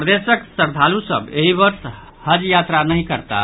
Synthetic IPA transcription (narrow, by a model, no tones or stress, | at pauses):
pɾd̪esəksəɾd̪ʱalusə̰beɦibəɾs | həd͡ʒjat̪ɾanəɦĩkəɾt̪a̰